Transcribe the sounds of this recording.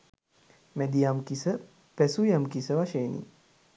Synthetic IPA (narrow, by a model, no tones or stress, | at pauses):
mæd̪ijamkisə | pæsujamkisəʋaʃeːnḭ